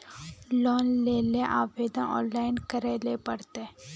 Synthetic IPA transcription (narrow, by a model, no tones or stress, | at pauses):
lɔːnleːleʔaːʋeːd̪ənʔɔ̰̃ːnlaːɪnkəɾeːlepəɽt̪e